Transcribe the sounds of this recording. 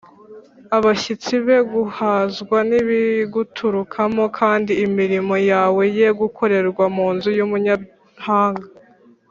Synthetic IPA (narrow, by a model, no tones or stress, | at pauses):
aβaʃit͡siβe̞ɡuhaːzɡwaniβiɡutʰuɾukʰamo̞kʰaːndiːmiɾimo̞jaːwe̞je̞ɡukʰo̞ɾe̞ɾɡwamuːnzujumuɲa | haːŋɡa